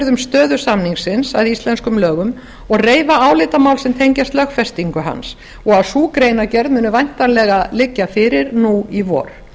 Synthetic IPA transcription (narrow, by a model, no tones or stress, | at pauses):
ɾðʏmst̪œːðʏsamniŋsɪnsaðist̪lɛnskʏmlœːɣʏm | ɔɣreːjvaaːwlɪːt̪amaːwlsɛmt̪ʰejɲcast̪lœxfɛst̪iŋkʏɦa̰ns | ɔɣaðsuːkɾejnacɛɾðmʏːnʏvajn̥t̪anlɛɣalɪcːafɪɾɪɾnuivɔ̰ːɾ̥